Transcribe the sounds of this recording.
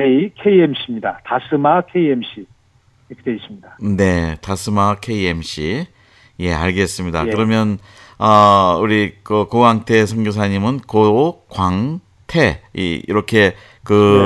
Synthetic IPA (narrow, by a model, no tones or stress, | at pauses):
neikʰeiemɕʰimɲidatasʰɯmakʰeiemɕ͈i | ikʰt̪eisɯmɲidane̞tasʰɯmakʰe̞ie̞mɕ͈i | je̞a̰ɭɡe̞s͈ɯmɲida̰kɯɾʌmjʌn | ʌuɾikɯkoɡaŋtʰe̞sʰʌŋɡos̬ʰaɲimɯnkookwaŋ | tʰe̞ḭḭɾʌkʰe̞ | kɯ